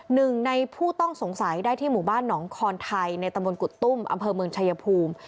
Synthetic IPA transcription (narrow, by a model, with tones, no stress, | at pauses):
nɯ˨˩ŋna˧jpʰuː˥˩t̪ɔ˥˩ŋso˩˦ŋsa˩˦jdaː˥˩jt̪ʰiː˥˩muː˨˩baː˥˩nːɔː˩˦ŋkʰɔː˧nt̪ʰa˧jna˧jt̪a˧mbo˧nku˨˩t̪ːu˥˩mʔa̰˧mpʰɤː˧mɯ˧əŋt͡ɕʰa˧ja˧pʰuː˧m